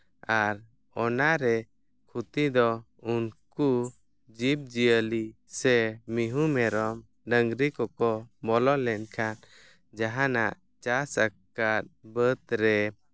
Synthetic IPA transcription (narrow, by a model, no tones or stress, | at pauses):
aɾ | ɔnaɾɛ | kʰut̪id̪ɔ | unku | d͡ʒip̚d͡ʒiəlisɛmiɦumɛɾɔm | ɖəŋɡɾikɔkɔbɔlɔlɛnkʰan | d͡ʒaɦanaʔ | t͡ʃasəkat̪̚bət̪ɾɛ